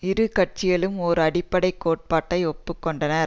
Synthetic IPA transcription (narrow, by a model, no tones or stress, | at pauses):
ɪɾɯkɐʈ̚t͡ʃɪjɐɭɯmɔɾɯɐɽɪpːɐɽɐɪkːoːʈ̚paːʈːɐɪɔpːɯkːɔɳɖɐnɐɾ